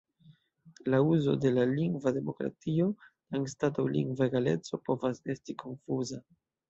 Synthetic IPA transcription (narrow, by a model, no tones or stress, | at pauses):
lauzo̞̰de̞laliŋɡvade̞mo̞kɾa̰tio̞taŋstatawlḭŋɡveɡale̞̰t͡so̞po̞vase̞stikʰo̞nfuza